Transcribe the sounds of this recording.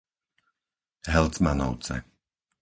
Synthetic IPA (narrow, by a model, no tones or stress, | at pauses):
ɦɛlt͡smanɔ̰ʊt͡sɛ̰